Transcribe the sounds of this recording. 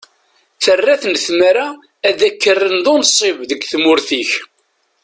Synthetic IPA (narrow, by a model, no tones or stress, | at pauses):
θərːæθənθməɾæː | ðækːərːənðʊnsˤɪvðəɡθmʊɾθiç